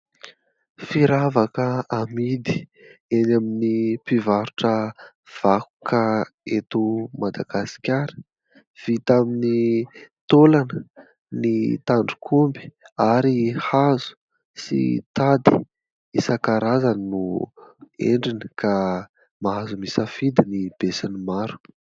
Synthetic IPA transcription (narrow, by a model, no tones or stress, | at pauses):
fiɾavakəamid̪i̥enaminipivaɾuʈ͡ʂə | v̥aku̥kaet̪umad̪aɡ̥asi̥kʲaɾə̥ | v̥it̪aminit̪olanə | nit̪aɳɖ͡ʐukʰumbi̥aɾihazu̥ | sḭt̪ad̪i̥̰ | isakaɾazannu | ḛɳɖ͡ʐiniəka | maɦazumisəfid̪inib̥esinimaɾu̥